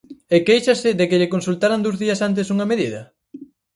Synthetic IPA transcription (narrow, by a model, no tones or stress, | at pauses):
ekejʃɐsɪðekɪʎɪkonsult̪aɾand̪owzðiɐsant̪̬ɪsuŋɐmeðiðɐ̰